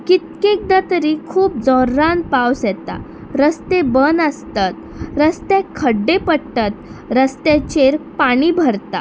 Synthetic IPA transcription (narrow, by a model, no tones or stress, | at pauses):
kit̪̚kek̚d̪at̪əɾiːkʰuːp̚d͡zɔɾːan̚pawsɛt̪a̰ | ɾəst̪ebənəst̪at̪ | ɾəst̪ẽkʰəɖːepəɽʈat̪ɾəst̪et͡ɕeɾpaɽ̃iːbʱəɾt̪a